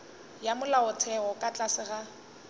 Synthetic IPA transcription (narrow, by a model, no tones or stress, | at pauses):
jamʊlaʊt͡sʰɛɣɔkʼat͡ɬʼasɪɣa